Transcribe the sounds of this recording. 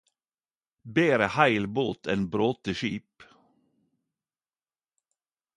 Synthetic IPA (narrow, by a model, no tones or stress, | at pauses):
beːɾəhæɪlboːt̪ʰḛːnbɾoːt̪əʃiːp